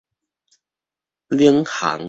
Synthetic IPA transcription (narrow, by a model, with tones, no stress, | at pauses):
li˥˧˩əŋha̰˨˦ŋ